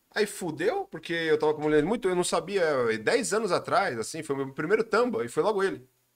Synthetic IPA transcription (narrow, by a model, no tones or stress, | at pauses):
aifud̪ewpoɾkeewt̪avɐkõmulẽd̪mũj̃t̪ʊewnɐ̃w̃sabiɐɛd̪ɛjzɐ̃nʊzat̪ɾajzasĩfojʊmewmpɾimejɾʊt̪ɐ̃mbɐɪfojlɔɡʊelɪ